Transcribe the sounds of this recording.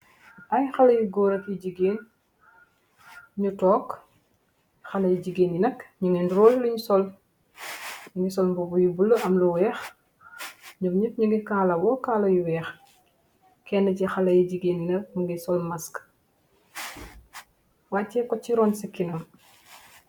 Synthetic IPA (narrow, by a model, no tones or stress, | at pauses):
ʔɐjxɐlɐjuɡɔːɾɐkjiɟiɡeːn | ɲutɔːk | xɐlɐjiɟiɡeːnjinɐkɲuŋɛndɾɔːlːuɲusɔl | nuŋɡisɔlmbɔbujubulːəʔɐmluwɛːx | ɲumɲit̚ɲuŋɡikaːlɐbɔkaːlɐjuwɛːx | kɛnːɐcixɐlɐjiɟiɡeːnnɐmuŋɡisɔlmɐsk | wacːɛkɔcːiɾɔːnsikːinɐm